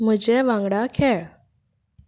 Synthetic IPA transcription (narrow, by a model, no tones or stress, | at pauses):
m̤əd͡ʑeʋãŋɡɽakʰeɭ